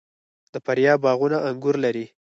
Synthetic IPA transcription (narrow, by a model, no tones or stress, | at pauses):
d̪əpaɾjɑbɑɣunaʔaŋɡuɾlaɾi